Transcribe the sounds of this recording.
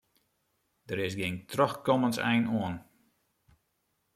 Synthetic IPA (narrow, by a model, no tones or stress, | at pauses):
dəɾɪsɡɪŋtʰrɔxkɔmənsɛ̰jnuən